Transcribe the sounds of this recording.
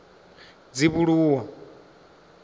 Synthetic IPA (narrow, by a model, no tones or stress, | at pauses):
d͡ziβuɺuːwa